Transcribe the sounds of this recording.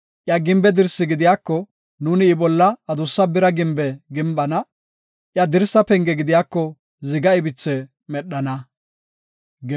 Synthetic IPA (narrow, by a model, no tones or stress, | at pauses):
ʔjaɡɪmbɛd̪ɪɾsːɪɡɪd̪ɪjaːkːɔ | nuːnɪːbɔlːɐɐd̪ʊsːɐbɪɾɐɡɪmbɛɡɪmbɐnɐ | ʔjɐd̪ɪɾsːɐpɛŋɡɛɡɪd̪ɪjaːkːɔ | zɪɡɐɪbɪt͡sːɛ | mɛɗːɐnɐ | ɡ